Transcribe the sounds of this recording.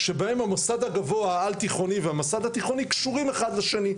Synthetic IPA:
ʃe̞bae̞mhamosad̪aɡavoaalt̪iχo̞niveamosad̪at̪iχo̞nikʃuʁimeχad̪leʃeni

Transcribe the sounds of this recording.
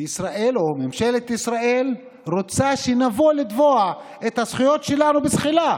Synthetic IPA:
isʁaʔe̞lomemʃe̞let̪isʁae̞l | ʁot͡saʃinavolid̪voa | et̪hasχujo̞t̪ʃe̞lanubesχila

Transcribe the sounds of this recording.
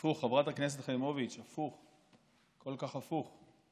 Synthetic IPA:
uχːavʁat̪haknes̬et̪χajmovit͡ʃafuχ | kolkaχafuχ

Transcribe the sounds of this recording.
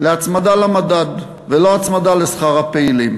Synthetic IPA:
leat͡smad̪alamad̪ad̪ | veloat͡smad̪alesχaʁapeilim

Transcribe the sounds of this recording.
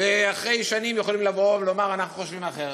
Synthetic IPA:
veaχʁe̞jʃanimjeχolimlavovelomaʁanaχnuχoʃvimaχeʁ

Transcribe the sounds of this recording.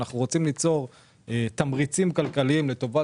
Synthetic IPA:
naχnuʁo̞t͡simlit͡so̞ʁ | et̪amʁit͡simkalkaliimlet̪o̞va

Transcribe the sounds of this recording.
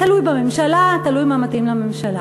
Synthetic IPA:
t̪alujbamemʃalat̪alujmamat̪imlamemʃala

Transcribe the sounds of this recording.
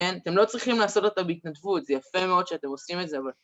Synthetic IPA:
enate̞mlo̞t͡sʁiχimlaːso̞tat̪abeit̪nadvut̪zejafemeo̞d̪ʃeate̞mo̞simetzeaval

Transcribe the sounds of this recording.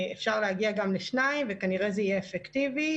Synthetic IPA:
efʃaʁleaɡiaɡamleʃnajimvekaniʁezeijeːfektivi

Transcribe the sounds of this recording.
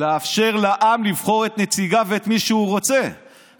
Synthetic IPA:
eafʃe̞ʁlaʔamlivχo̞ʁet̪net͡siɡaveːt̪miʃeuʁo̞t͡se̞

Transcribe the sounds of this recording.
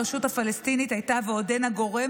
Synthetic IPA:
ʃuthafalest̪init̪hajtaveodenaɡo̞ʁe̞

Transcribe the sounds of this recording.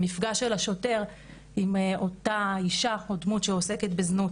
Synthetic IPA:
mifɡaʃelaʃo̞te̞ʁ | imo̞taiʃaodmutʃeose̞ket̪beznut

